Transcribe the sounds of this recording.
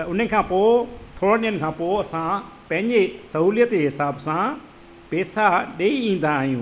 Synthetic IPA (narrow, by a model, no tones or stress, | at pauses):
t̪ɐʊn̤ekʰãːpot̪ʰoːɽə̃ɗɪənɪ̆kʰãːpoːɐsã | pɐ̃ɦɪ̃ɲd͡ʑesɐɦuːlijət̪eɦɪsaːbsã | peːsaɗeːiĩːn̆d̪aːɦijũː